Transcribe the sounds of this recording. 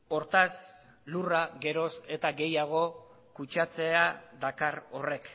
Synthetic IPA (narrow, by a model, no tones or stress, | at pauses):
o̞ɾt̪as | luraɣe̞ɾo̞se̞t̪aɡe̞jaɣ̞o̞ | kut͡ʃat͡se̞ad̪akaro̞re̞k